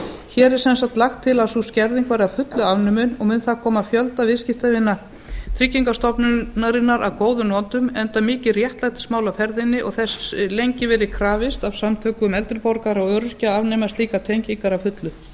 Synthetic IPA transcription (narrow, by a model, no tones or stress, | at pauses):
çɛːɾɛɾ̥sɛnsat̪laxt̪ʰːɪlasuscɛɾðiŋkvaːɾɪafʏt̪lʏavnʏmʏnɔɣmʏnθakʰɔːmafjœlt̪avɪðscɪft̪avɪnːa | t̪ʰɾɪcːiŋkast̪ɔpnnaɾɪnːaɾʔa̰ðkoːwðʏnɔnt̪ʏmɛnt̪amɪːcɪrjɛht̪lajt̪ɪ̥smaːwlawfɛɾðɪnːɪʔɔ̰ɣθɛsɪlejɲcɪvɛɾɪkʰɾaːvɪst̪avsamt̪ʰœːkʏmɛlt̪ɪɾpɔɾkaɾaɣœːɾʏscaavnɛmast̪liːkat̪ʰejɲciŋkaɾavfʏt̪lʏ